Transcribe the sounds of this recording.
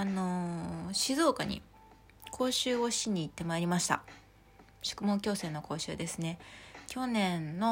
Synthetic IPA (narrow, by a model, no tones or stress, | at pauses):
ano̞ɕizo̞ːkaɲ̟ḭ | kʰo̞ːɕɨːo̞ɕiɲ̟ːiːt̪ːe̞maiɾʲimaɕi̥t̪a̰ | ɕɨ̥kɯ̟mo̞ŋkʲo̞ːsẽ̞nːo̞ko̞ːɕɨ̰ːd̪e̞sɨne̞kʲo̞nẽ̞nːo̞